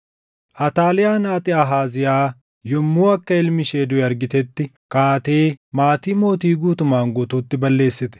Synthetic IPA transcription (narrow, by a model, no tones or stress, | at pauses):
ʔɐt̪aːlɪjaːnaːt̪ʼɪaɦaːzɪjaː | jɔmːuːɐkːɐɪlmɪʃeːd̪ʊɛɐɾɡɪt̪ɛt̪ːɪ | kaːt̪e̞ːmaːt̪iːmo̞ːt̪iːɡuːt̪ʊmːaːŋɡɔt̪uːt̪ːɪbɐlːe̞ːsːɪt̪ɛ̥